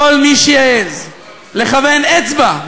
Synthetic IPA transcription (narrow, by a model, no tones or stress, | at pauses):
olmiʃeaez | leχave̞net͡sba